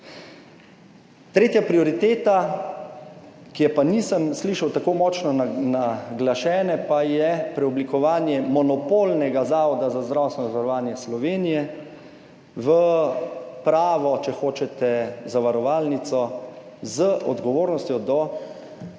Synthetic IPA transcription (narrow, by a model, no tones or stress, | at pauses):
t̪ɾeːt̪japɾiɔɾit̪eːt̪a | kijɛpanisəmsliʃɐwt̪akoːmɔt͡ʃnɔnaɡlaʃɛːnɛpajɛpɾɛublikɔʋaːnjɛmɔnɔpoːlnɛɡazaːʋɔd̪azazd̪ɾawst̪ʋɛnɔzaʋaɾɔʋaːnjɛslɔʋeːnijɛ | ʋə | pɾaːʋɔt͡ʃɛxoːt͡ʃɛt̪ɛzaʋaɾɔʋaːlnit̪sɔzəʔɔ̰d̪ɡɔʋoːɾnɔst̪jɔd̪ɔ